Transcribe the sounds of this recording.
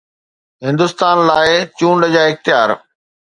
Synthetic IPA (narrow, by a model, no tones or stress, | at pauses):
ɦɪ̃nd̪ʊst̪aːnlaːɪt͡ɕũːɳɖəd͡ʑaːɪxt̪ɪjaːɾ